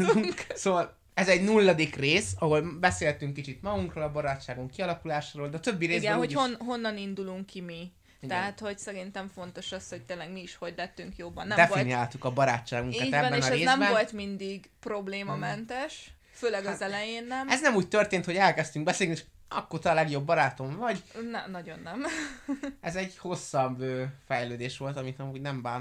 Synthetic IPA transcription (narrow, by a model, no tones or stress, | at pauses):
uŋksoːvɒl | ɛzɛɟnulːɒd̪ikreːsɒɦo̞lbɛseːt̪yŋkːit͡ʃit̪mɒɡuŋkroːlɒbɒɾaːtt͡ʃːaːɡuŋkːiɒlɒkulaːʃaːɾold̪ɛːt̪øbːiɾeːzɡbɛnhonɦo̞nːɒnind̪uluŋkːimi | tiɛɦat̪ho̞ɟsɛɾint̪ɛɱfo̞n̪t̪o̞ʃɒsho̞c̚t̪eːnlɛɡmiːʃho̞ɟlɛt̪ːyŋkjobːɒnːɛd̪ɛfviniaːlt̪ukɒbɒɾaːt͡ʃːaːɡuŋk̪aɛbːɛenɒɾeːnɛmbɛnvo̞lt̪mind̪iɡ | pro̞bleːmɒmɛnt̪ɛʃ | føːlɛɡɒzɛlɛjeːnːɛmɛznɛmuːc̚t̪ø̞rt̪eːnt̪hoɟɛlkɛst̪yŋɡbɛseːlniʃk | ɒkːoːt̪ɒlɛɡjo̞bːɒɾaːt̪o̞ɱvɒɟnɛnɒɟo̞nːɛm | ɛzɛɟho̞sːɒbøːfɛjløːd̪eːʃʋo̞lt̪ɒmit̪ɒmuːɟnɛmbaːn